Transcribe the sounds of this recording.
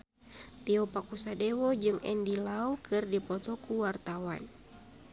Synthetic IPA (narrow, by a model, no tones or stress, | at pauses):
t̪iɔpakusadewɔd͡ʒɨŋɛ̰ndilaukʰɨrdipɔt̪ɔkuwart̪awa̰n